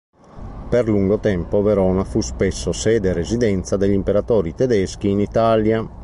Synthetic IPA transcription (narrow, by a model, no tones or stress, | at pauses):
perluŋɡot̪ɛmpoveɾɔːnafuspɛsːosɛːd̪eɾezid̪ɛnt̪sad̪eʎimpeɾat̪ɔːɾit̪ed̪ɛsk̟iːnit̪aːlja